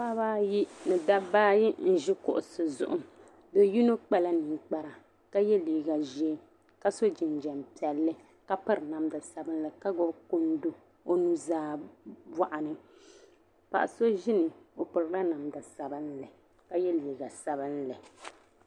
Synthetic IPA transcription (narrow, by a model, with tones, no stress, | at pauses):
pa˦baː˦ji˦nɨ˨da˦baː˦ji˦n̩˦ʒɪ˦kʊ̰˨ʔʊ˨sɨ˨zʊ̰˨ʔʊ˨m | dɛ˨ji˦no˦k͡pa˦la˦nɨ˨ŋ˨k͡pa˨ɾa˨ | ka˦jɛ˦liː˨ɡa˨ʒɛ˦ | ka˦so˦d͡ʒɪ˨n˨d͡ʒɛ˨mpi˨ɛ˨lːɨ˦ | ka˦pɨ˦ɾna˨mda˨sa˨bɨ˦n˦lɨ˨ka˦ɡʊ˦bko˦n˦do˦˨ | o˦nu˦zaː˦ba˦ʔa˨nɨ˨ | pa̰˨ʔa̰˨so˦ʒɪ˦nɨ˨o˨pɨ˨ɾɨ˨˦la˦na˨mda˨sa˨bɨ˦n˦lɨ˨ | ka˦jɛ˦liː˨ɡa˨sa˨bɨ˦n˦lɨ˨